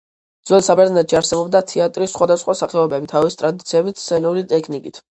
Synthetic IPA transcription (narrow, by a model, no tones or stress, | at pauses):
d̪zwɛlsabɛɾnɛt̪ʃiaɾsɛbɔbd̪at̪ʰɛat̪ʼɾisːχwad̪asχwasaχɛɔbɛbit̪ʰavist̪ʼɾad̪it̪sʰiɛbit̪ʰssɛnulit̪ʼɛkʰnikʼit̪ʰ